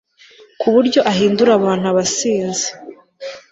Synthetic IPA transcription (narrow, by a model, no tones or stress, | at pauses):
kʰuβuɾɟo̞ʔaɦiːnduɾaβaːn̥uaβasiːnze̥